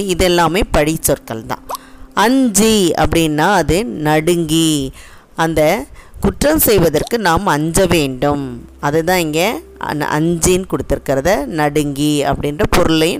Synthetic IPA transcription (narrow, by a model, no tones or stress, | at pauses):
ɪðɛlːaːmeːpɐɽɪt͡ʃːɔɾkɐɭt̪ã̰ːɐɲd͡ʒiɐ̰pːɐɽɪnːaːɐðɯnɐɽɯŋɡi | ɐnd̪ɐkʊʈrɐmsɛjʋɐðɐrkɯnaːmɐɲd͡ʒɐʋeːɳɖɯmɐðɯt̪ãːɪŋɡɐ̰ʔɐ̰ɲd͡ʒijɪnkɔɽɯt̪ːɪɾɯkːɪɾɐðɐnɐɽɯŋɡiɐ̰pːɐɽɪnrɐpɔɾɯɭɐjɯ̃